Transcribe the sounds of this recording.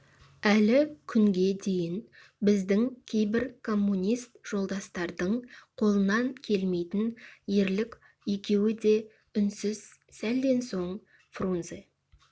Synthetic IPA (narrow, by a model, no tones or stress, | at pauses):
ælɪkʲʰʏŋɡʲe̞d̪e̞jɪn | bɪzd̪ɪŋkʲʰe̞jbɪɾkʰo̞mːunʲist̪ʒ̥o̞lˠd̪ɑst̪ɑɾd̪əɴqʰo̞lˠənɑŋkʲʰe̞lme̞jt̪ɪnje̞ɾlɪkʲ | jekʲʰe̞wɪd̪e̞ | ʏnsɪz̥sæld̪e̞nso̞ɴ | frunze